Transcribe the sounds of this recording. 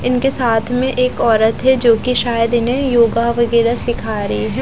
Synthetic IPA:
ɪnkesaːt̪ʰmẽʔeːkɔːɾət̪ɦɛd͡ʒoːkiʃaːjəd̪ɪnɦẽjoːɡaʋɐɡɛːɾasɪkʰaːɾɐɦiɦɛ̃ː

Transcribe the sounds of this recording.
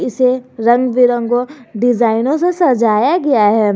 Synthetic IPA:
ɪseɾɐ̃ŋɡʋɪɾə̃ŋɡoɖɪzaːɪnõsesɐɾd͡ʒʱaːjaɡɐjaɦɛː

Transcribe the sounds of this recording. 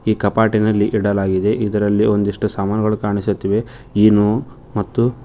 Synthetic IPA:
iːkɐpaːʈinɐlːiʔiɽɐlaːɡid̪e̞ʔid̪ɐɾɐlːio̞nd̪iʂʈɐsaːmaːnɐɡɐɭukaːɳisut̪ːiʋe̞ | iːnu | mɐt̪ːu

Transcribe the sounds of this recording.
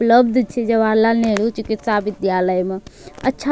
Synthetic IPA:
pləbd̪t͡ʃʰid͡ʒəbaːlaneɽut͡ʃukit̪saːbid̪jaləjmeətːʃʰa

